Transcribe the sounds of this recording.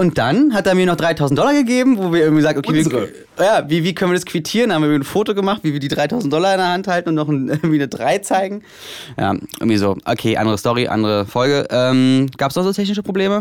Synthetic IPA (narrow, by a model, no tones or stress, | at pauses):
ʔʊnt̚d̥anɦat̚d̥aːmiɐnɔχd̥ʁaɪtʰaʊzn̩td̥ɔlɐɡəɡeːbm̩voːviːɐʔɪɐɡŋ̩vizaɡ̚n̩ʔokʰeː | jaːviːviːkʰœnviɐaskv̥itʰiːʁənhamviɪɪnfoːtoɡəmaχtviːviɐdiːdʁaɪtʰaʊzn̩t̚d̥ɔlɐɪndeɐɦanthaltn̩ʊntnɔχn̩əʔɪɐɡŋtviːnədʁaɪt͡saɪɡŋ̩ | ja̰ːʔɪ̰ɡŋ̩tviːzoːʔo̰kʰeːʔa̰ndəʁəstɔʁiʔa̰ndəʁəfɔlɡəʔɛːmɡ̥aːpəsnɔχz̥oːtʰɛç̬nɪʃ̬əpʁ̥obleːmə